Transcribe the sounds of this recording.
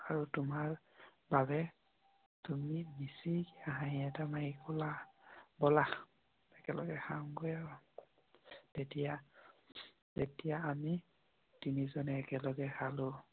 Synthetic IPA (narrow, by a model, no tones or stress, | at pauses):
aɹutʊmaɹ | baβɛ | tumibisikiaɦãɦĩɛtamaɦikɔlabɔla | ɛkɛlɔ̰ɡɛxaŋɡojaa | tetija | tetijaːmi | tinizɔnɛːkɛlɔɡɛxalʊ